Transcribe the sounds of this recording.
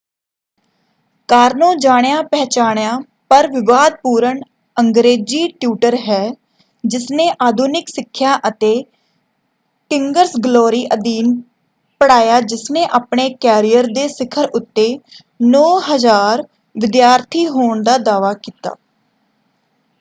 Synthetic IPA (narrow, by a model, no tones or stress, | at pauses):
kaːɾnõːd͡ʒaːɽjaːpɛːt͡ʃaːɽjaː | pəɾʋɪʋaːd̪̚puːɾəɳ | əŋɡɾeːd͡ʒiːʈjuːʈəɾɦɛː | d͡ʒɪsneːʔaːd̪ʱuːnɪksɪkʰːjaːʔət̪eː | ʈɪŋɡəɾsɡloːɾiːʔəd̪iːn | pəɽaːjaːd͡ʒɪsneːʔaːpɳeːkɛːɾijəɾd̪eːsɪkʰəɾʊt̪ːeː | nɔːɦəzaːɾ | ʋɪd̪jaːɾt̪ʰiːɦoːɳd̪aːd̪aːʋaːkiːt̪a̰ː